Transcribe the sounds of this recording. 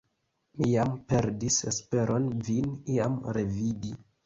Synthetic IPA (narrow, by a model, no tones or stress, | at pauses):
mijampe̞ɾdisespe̞ɾʔo̞nviniamɾe̞vidi